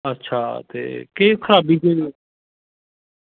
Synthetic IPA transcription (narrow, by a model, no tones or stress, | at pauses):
ətːʃʰaːt̪ḛːkeːkʰəɾaːbiːkeːeː